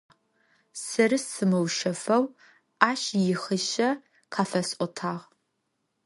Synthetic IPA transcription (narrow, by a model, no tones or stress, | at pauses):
sɨrɨsɨmɨwʃɐfɐw | aːʃjɪχɨʃɐ | qʰaːfɐsʼʔʼʷɔtʰaːʁ